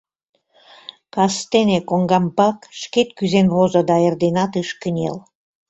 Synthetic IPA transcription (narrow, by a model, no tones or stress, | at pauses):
kɑst̪enekoŋɡɑmpɑkʃket̪kyzenβozod̪ɑerd̪enɑt̪ɯʃkənʲḛl